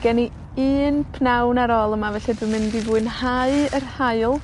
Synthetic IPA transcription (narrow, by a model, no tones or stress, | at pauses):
ɡ̥ɛni | iːnpʰnawnaɾɔlˠəmavɛɬɛdwɨmɪndivuɨnhaɨərhaɨlˠ